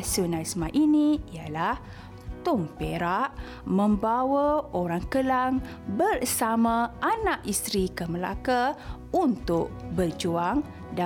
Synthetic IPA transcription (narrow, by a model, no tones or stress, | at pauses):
sunasmaʔiniijalah | t̪ʊmpeɾaʔ | mə̃mbawaoɾaŋkəlaŋ | bərsamãʔanaʔist̪ɾikəməla̰ka | unt̪ʊʔbərd͡ʒuaŋ | da